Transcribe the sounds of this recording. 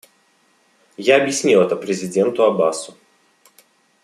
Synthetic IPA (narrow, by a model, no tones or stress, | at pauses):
jaɐbʲjɪsʲnʲilˠɛt̪əpɾʲɪzʲɪdʲent̪ʊɐbasʊ